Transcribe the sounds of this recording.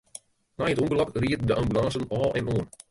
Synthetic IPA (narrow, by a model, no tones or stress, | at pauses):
najətumbəlɑkriətdəʔɑmbylɑnsənɔːlˠɛ̰noən